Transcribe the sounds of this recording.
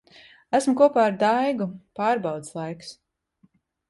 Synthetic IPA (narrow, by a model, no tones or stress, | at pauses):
æsmukuɔpaːaɾd̪ajɡupaːɾbɑwd̪slˠajks